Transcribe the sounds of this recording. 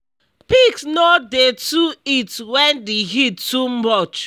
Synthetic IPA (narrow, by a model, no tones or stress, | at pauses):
piksnɔdetuitwɛ̃ndiɦidtumɔt͡ʃ